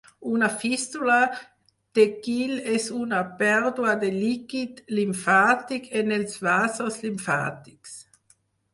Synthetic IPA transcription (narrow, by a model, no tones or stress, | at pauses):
unafist̪ula | d̪̥ekilɛsunapɛɾd̪uad̪elikid̪limfaːt̪ikʰenelsvaːsoslimfa̰ːt̪i̥ks